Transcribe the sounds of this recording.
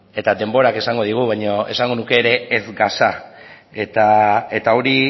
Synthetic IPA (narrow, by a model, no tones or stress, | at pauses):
e̞t̪ad̪e̞mbo̞ɾake̞saŋɡo̞ð̞iɣ̞uβ̞ajɲo̞e̞saŋɡo̞nuke̞ːɾe̞ːzɡasa | et̪ae̞t̪ao̞ɾi